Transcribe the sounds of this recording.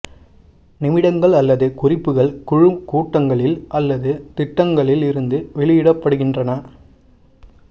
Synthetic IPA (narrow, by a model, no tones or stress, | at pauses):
nɪmɪɽɐŋɡɐɭɐlːɐðɯkʊrɪpːɯɣɐɭkʊɻɯmkuːʈːɐŋɡɐɭɪlʔɐlːɐðɯt̪ɪʈːɐŋɡɐɭɪlɪɾɯnd̪ɯʋɛɭɪjɪɽɐpːɐɽɯɣɪndrɐnɐ